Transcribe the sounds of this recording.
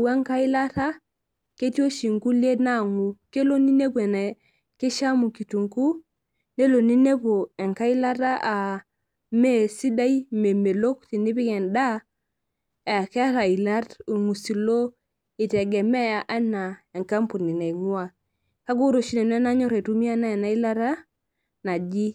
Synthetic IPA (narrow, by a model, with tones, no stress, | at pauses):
we˦ŋka˦i˦la˦ta˦ | ke˦ti˦o˦ʃi˨ŋku˦le˦na˦˨ŋu˨ke˦lo˦ni˦ne˦bu˨e˨ne˨ | ke˦ʃa˦mu˨ki˨tu˨ŋku˦ | ne˦lo˨ni˦ne˦po˨e˨ŋka˦i˦la˦ta˦ʔa˨ | me˦si˦da˦i˦me˨me˨lo˦k̚ti˨ni˦bi˦ɡe˨nda˦˨ | ke˦ɾa˨i˨la˦ɾu˨ŋu˨si˨lo˦ | i˨te˨ɡe˨me˦a˨ʔa˦na˨e˨ŋka˦mpu˨ni˨na˨i˨ŋu˦a˨ | ka˦ɡu˦ɾo˨ʃi˦ne˨n˦e˦na˦ɲo˦ɾe˨tu˦mi˦a˦na˦e˨na˦i˦la˦ɾa˦ | na˨d͡ʒi˦